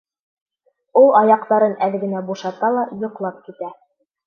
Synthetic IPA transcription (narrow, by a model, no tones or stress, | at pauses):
ulˠɑjɑqt̪ɑɾɤnælɘ̆ɡɘ̆næbuʃɑt̪ɑlˠɑjŏqlˠɑp̚kit̪æ